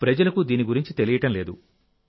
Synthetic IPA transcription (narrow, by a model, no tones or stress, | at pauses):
pɾɐd͡ʒɐlɐkud̪iːniɡuɾiɲt͡ʃit̪elijɐʈɐmle̞ːd̪ṵ